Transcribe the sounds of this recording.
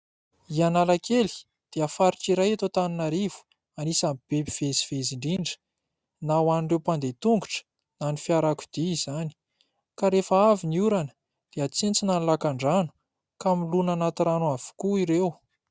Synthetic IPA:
ianalakʰeli̥ | d̪̥eafaɾiʈ͡ʂiɾajat̪ot̪aninaɾiv̥u̥ | anisamib̥epiv̥eziveziɳɖ͡ʐiɳɖ͡ʐə̥ | nawanuɳɖ͡ʐewpand̪et̪uŋɡuʈ͡ʂə̥ | nanifiaɾaku̥d̪̥iiz̥ani̥ | kaɾefəaviniuɾanə̥ | d̪̥eat͡sent͡sinanlakaɳɖ͡ʐanu̥ | kamilunanat̪iɾanuav̥u̥kuiɾew

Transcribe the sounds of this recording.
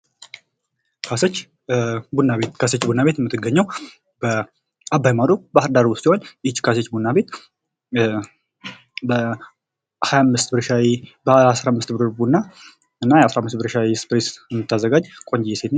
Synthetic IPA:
kʰasət͡ʃː | bunːaβet̪kʰaset͡ʃːbunːaβet̪jɛmːɨt̪ːɨɡəɲːaw | bə | abːajmad̪obahɨɾd̪aɾwʊst̪iho̞nit͡ʃːkʰaset͡ʃːbunːabe̞t̪ | bə | hajamːɨst̪bɨɾʃawbəasɾamːɨst̪bɨɾɨɾbunːa | ɨnːajɛasɾahmːɨst̪bɨɾʃawispɾesjɛmːɨt̪ʰːazːəɡad͡ʒkʼo̞ɲd͡ʒɛjɛset̪

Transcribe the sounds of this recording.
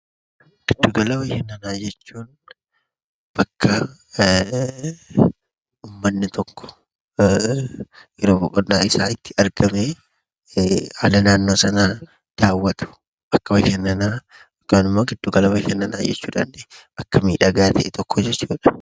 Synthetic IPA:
ɡ̥ɪd̪ːʊɡɐlɐwɐkɛnːɐnaːd͡ʒɛt͡ʃːuːn | b̥ɐkʰːɐ | uːmːɐnːɪt̪ʰɔkːɔ̥ | jɛɾoːbɔkʼɔnːaːɪsaːɪt̪ːɪɐɾɡɐmeː | ha̰ːlɐnaːnːoːsɐnaː | d̪̥aːwːɐt̪ʊ̥ | bɐkːɐwɐkɛnːɐnaː | kanʊmoːɡɪd̪̥ːʊɡɐlɐwɐkɛnːɐna̰ːd͡ʒɛ̰t͡ʃːuːᶑa̰nɛɐkːɐmḭːᶑɐɡaːt̪ʰɐʔɛt̪ʰɔkʰːɔd͡ʒɛt͡ʃːuːᶑɐ̥

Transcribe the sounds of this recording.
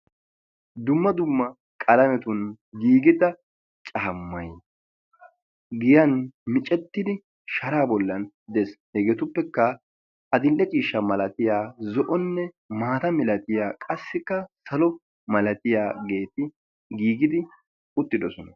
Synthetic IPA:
d̪ʊmːɐd̪ʊmːɐ | kʼɐlɐmɛt̪ʊn | ɡiːɡɪd̪ɐ | t͡ʃʼɐːmːɐj | ɡɪjɐnmɪt͡ʃʼɛt̪ːɪd̪ɪ | ʃɐɾaːbɔlːɐn | d̪ɛshɛɡɛt̪ʊpːɛkːɐ | ɐd̪ɪlːɛt͡ʃʼiːʃːɐmɐlɐt̪ɪjaːzɔʔɔnːɛ | maːt̪ɐmɪlɐt̪ɪjaːkʼɐsːɪkːɐsɐlɔ | mɐlɐt̪ɪjaːɡe̞ːt̪ɪ | ɡiːɡɪd̪ɪ | ʊt̪ːɪd̪ɔsɔnɐ

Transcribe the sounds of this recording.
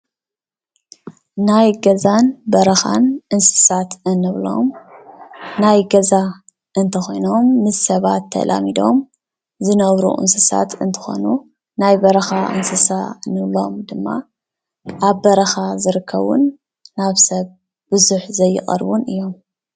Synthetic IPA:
najɡɐzanbɐɾɐxa̰nʔɨnsɨ̥sat̪ɨnːɨβlo̞̰m | najɡɐza | ʔɨnt̪ʰɐxojno̞mːɨzsɐβa̰t̪ʰːɐ̰lʔa̰mid̪o̞̰m | zɨnɐβɾṵʔɨ̰nsɨsa̰t̪ʰɨnt̪ʰɨ̥xo̞̰nu | najbɐɾɐxaʔɨ̰nsɨsaɨnɨβlo̞̰md̪ɨmːa̰ | ʔaβːɐɾɐxazɨɾɨkʰːɐ̰βṵnː | aβsɐβ | b̥ɨzuħzɐjːɨ̰xʼɐ̰ɾβunɨjːo̞m

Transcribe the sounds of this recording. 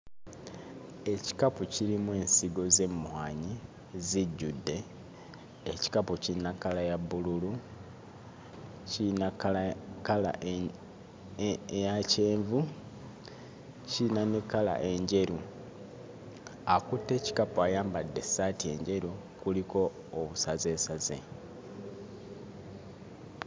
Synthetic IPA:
e̞ci̥kapuciɾimwe̞ːnsiɡo̞ze̞mːuhaːɲi | ziɟːudːe̞ | eci̥kapucinakalajaβululu | cina | kala̰ʔ | jace̞ːɱvu | cinanekala̰ʔe̞ɲɟe̞ɾu | akutːe̞ːci̥kapoajaːmbadːe̞saːtie̞̰ɲɟe̞ɾu | kuliko̞ː | βusaze̞ːsaze̞̰

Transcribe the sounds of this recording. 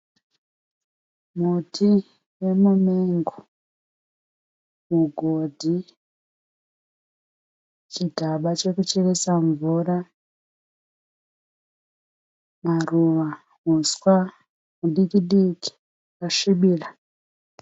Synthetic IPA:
mutʰi | jemumeŋɡo | muɡʱodʱi | t͡ʃiɡʱaɓat͡ʃekut͡ʃeresaɱvura | maruʋa | uswa | muɗikiɗiki̥ | kaʃiɓiːra

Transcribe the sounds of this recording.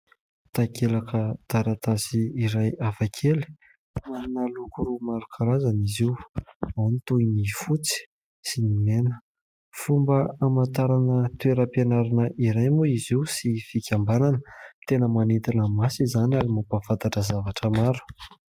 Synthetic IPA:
t̪akelakəd̪̥aɾat̪asiːɾajafakʰeli̥ | manalukuɾumaɾukʰaɾazaniziwawnit̪unifut͡si̥ | sinimenə̥ | fumbəamant̪aɾanət̪ueɾəpenaɾanəʔiɾajmuiziwsifikʲambananət̪enəmanit̪inəmasizanaɾimapafant̪aʈ͡ʂəzavaʈ͡ʂəmaɾu̥

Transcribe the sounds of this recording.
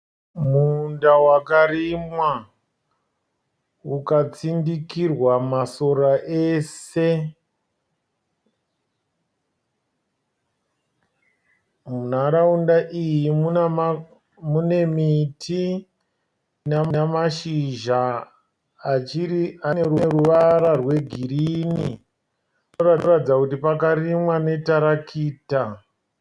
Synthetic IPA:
mundawakarimwa | ukat͡sindikirwamaso̞ɾaʔeːse̞ | munaɾaundaʔijimu | mune̞mitʰi | naamaʃiʒaː | t͡ʃirianeɾueɾuʋaɾarwe̞ɡʱiɾini | raratid͡zakutipakaɾimwane̞taɾakʰiːta

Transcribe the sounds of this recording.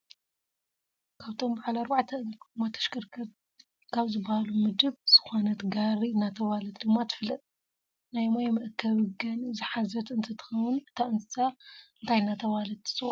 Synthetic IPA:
kʰaβt̪ʰo̞mbaʕalaɾbaʕt̪ʰɐnmat̪ʰɐ̥ʃkɨɾkʰɐ | kʰaβzɨbːahalumɨd̪ɨβz̥ɨ̥xonɐt̪ɡaɾiɨnːat̪ʰɐβalɐt̪̚d̪ɨmːat̪ʰɨ̥flɐt̪ʼ | najmojmɐʔkʰɐβɨɡɐnɨzɨħazɐt̪ɨnt̪ʰɐt̪ʰɨ̥xɐwɨnɨt̪ʰaʔɨnɨsaɨnt̪ʰajɨnːat̪ʰɐβalɐt̪ɨ̥sɨ

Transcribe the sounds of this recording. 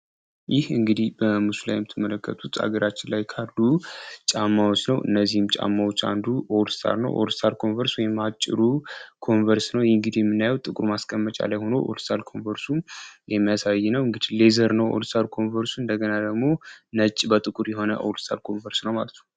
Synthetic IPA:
jɪhɨŋɡɨd̪ihbəmusula̰jɛmɨt̪ʰːɨmːələkːət̪ʼʰut̪ʰa̰ɡəɾat͡ʃːɪnlajkʰalːut͡ʃʼamːawot͡ʃːnəwʔɨ̰nːəzːihɨmt͡ʃʼa̰mːawot͡ʃːa̰nd̪uʔowlst̪ʰa̰ɾnə̰wʔolst̪ʰalkʰo̞nvəɾswɔjɛmat͡ʃʼːɪ̰ɾukʰo̞nvəɾsnəwjŋɡɨd̪ijɛmɨnːajwt̪ʼɨkʼuɾmaskʼəmːət͡ʃʼa̰lajho̞noʔo̰lst̪ʰalkʰo̞nvəɾsujɛmːijasajːɛnəwɨŋɡɨd̪̥ile̞zəɾnəwʔo̰lst̪ʰalkʰo̞nvəɾsuɨnd̪əɡənad̪əɡmo̞nət͡ʃʼːbət̪ʼɨkʼuɾjɛɦo̞nəʔo̰wlst̪ʰalkʰo̞nvəɾsnəwmalət̪ʰnəw

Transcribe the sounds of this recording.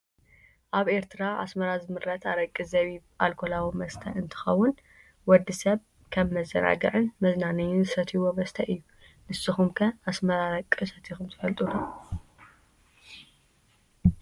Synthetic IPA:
ʔaβe̞ɾt̪ʰɨɾaʔa̰smɐɾazɨmɨɾɐt̪ʰaɾɐkʼːɨzɐβiʔalkʰolawimɐst̪ʰɐɨnt̪ʰɨ̥xɐwːʊn | wɔd̪ːɨsɐβ | kʰɐβmɐzːɐ̰na̰ɡɐʕɨnmɐznanɐjɪnzɨsɐt̪ʰiwo̞mɐst̪ʰɐʔɨjːu | nɨsːɨxumkʰɐasmɐɾaɾɐkʼːɨsɐt̪ʰixumt̪ʰɨfɐlt̪ʼulɐ

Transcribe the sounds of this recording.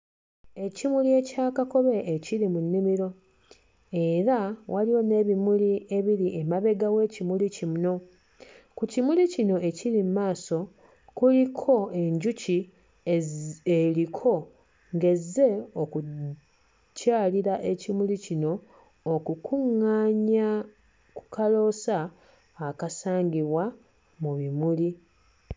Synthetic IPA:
e̞cimulie̞caːkako̞βe̞ʔːciɾimunːimiɾo̞ | e̞ɾawʔaliwo̞ne̞ːβimulie̞βiɾiʔemaβe̞ɡawe̞ːcimulicimuno̞ | kucimulicino̞ʔe̞ciɾimumaːso̞ | kulikʰo̞e̞ɲɟuci | elikʰo̞ | ŋɡe̞zːe̞oku | caːliɾaʔe̞cimulicino̞ː | kukʰuŋːaːɲa | ku̥kʰalo̞ːsaː | kasaːŋɡiβwa | muβimuli

